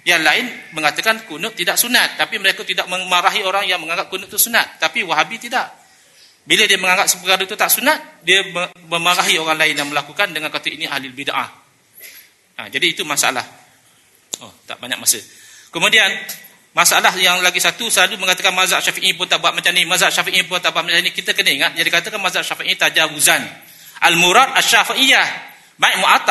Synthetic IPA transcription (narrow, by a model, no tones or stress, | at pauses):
jaŋlaɪnməŋat̪əkankunʊʔt̪ːidaʔsunat̪̚ːapiməɾekət̪idaʔməmaɾaɦioɾaŋjaŋmə̃ŋaŋɡap̚kunʊʔt̪usunat̪̚ːapiwaɦabit̪idaʔ | bilədiəməŋaŋɡap̚səpəkaɾət̪ut̪aʔsunat̪̚diəməməmaɾaɦioɾaŋlaɪnjaŋməlakukandəŋankat̪əiniʔa̰hliləbidaʔa̰ | ə̰d͡ʒadiːt̪umasa̰a̰la̰h | ot̪a̰ʔbaɲa̰ʔ̚masə | kəmudian | masaalahjaŋlaɡisat̪usəlaluməŋkat̪əkanmazaʔʃafiʔipʊnt̪aʔbuat̪̚mat͡ʃamnimazaʔʃafiʔip̬ʊnt̪aʔbuat̪̚mat͡ʃamnikit̪əkənəiŋat̪̚d͡ʒadikat̪əkanmazaʔʃafiʔiĩt̪ad͡ʒaɾuzan | ʔalmuɾad̪̚aʃafiʔija | baiʔ̚muʔat̪